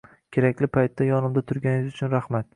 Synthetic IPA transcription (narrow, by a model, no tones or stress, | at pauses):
kʲʰeɾakʲlɪpʰajt̪ːajɒnɪmd̪at̪ʰʊɾɡʲanɪzʊt͡ʃʰʊnɾahmat̪̚